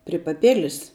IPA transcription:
pʲrʲɪ pɐˈpʲɪlʲɪs

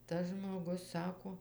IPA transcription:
tɐs ʒmoːˈɡʊs ˈsɑːkoː

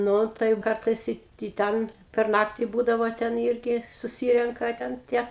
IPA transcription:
ˈnʊ tɐɪ jɛʊ ˈkɐrtɐɪs ˈɪ ɪ ˈtʲɛn pʲɛr ˈnɑːktʲɪ ˈbuːdɐʋoː tʲɛn ˈiːrʲɡʲɪ sʊˈsʲiːrʲɛŋkɐ tʲɛn ˈtʲiɛ

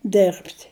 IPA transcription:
ˈdʲɛrʲpʲtʲ

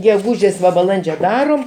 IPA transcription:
ɡʲɛˈɡuːʒʲeːs ʋɐ bɐˈlˠɐnʲd͡ʒʲoː ˈdɑːroːm

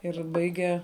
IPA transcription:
ɪr ˈbɐɪɡʲɛ

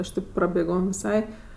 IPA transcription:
ˈɐʃ tʲeːp prɐbʲeːˈɡoːm ʋʲɪˈsɐɪ

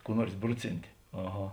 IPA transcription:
kuː ˈnuɔrs ˈbrʊˌt͡sʲɪnʲtʲɪ ɐˈɣɐ

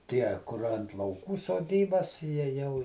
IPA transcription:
ˈtʲiɛ kʊr ɐnt lˠɐʊˈkuː soːˈdʲiːbɐs ˈjiɛ ˈjɛʊ

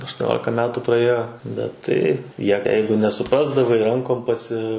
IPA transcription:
ɐʃtuɔˈnʲoːlʲɪkɐ ˈmʲæːtuː prɐˈeːjoː bʲɛt ˈtɐɪ ˈjiɛ ˈjɛɪɡʊ nʲɛsʊˈprɑːzdɐʋɐɪ ˈrɐŋkoːm pɐˈsʲɪ

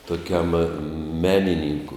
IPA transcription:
tʊˈkʲɛm ˈmʲæːnʲɪnʲiːŋkʊ

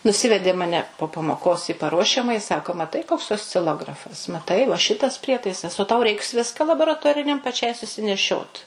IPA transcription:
nʊˈsʲɪʋʲɛdʲeː mɐˈnʲɛ poː pɐmoːˈkoːs iː pɐˈruɔʃʲɛmɐjɪ ɪ ˈsɑːkoː mɐˈtɐɪ koːks oːsʲt͡sʲɪˈlˠoːɡrɐfɐs mɐˈtɐɪ ʋɐ ˈʃʲɪtɐs ˈpʲrʲiɛtɐɪsɐs oː tɐʊ ˈrʲɛɪks ˈʋʲɪskɐ lˠɐboːrɐˈtoːrʲɪnʲɛm pɐˈt͡ʃʲɛɪ sʊsʲɪnʲɛˈʃʲoːt

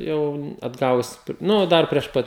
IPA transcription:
ˈjɛʊ ɐdˈɡɑːʋʊs ˈnʊ ˈdɐr pʲrʲiɛʃ ˈpɐt

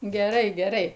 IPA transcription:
ɡʲɛˈrɐɪ ɡʲɛˈrɐɪ

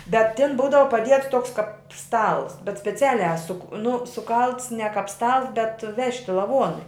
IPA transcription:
bʲɛt tʲɪn ˈbuːdɐʋɐ pɐˈdʲiɛts ˈtoːks kɐp ˈstɐlˠs bʲɛt sʲpʲɛˈt͡sʲæːlʲæː sʊ k nʊ sʊˈkɐlˠts nʲɛ kɐp ˈstɐlˠs bʲɛt ˈʋʲæːʃʲtʲɪ lˠɐˈʋuɔnʊɪ

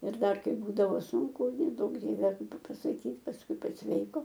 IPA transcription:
ɪr ˈdɐr ˈkɐɪp ˈbuːdɐʋoː ˈsʊŋkʊ nʲɛˈduɔk ˈdʲiɛʋʲɛ pɐ pɐsɐˈkʲiːt pɐsˈkʊɪ pɐsʲˈʋʲɛɪkoː

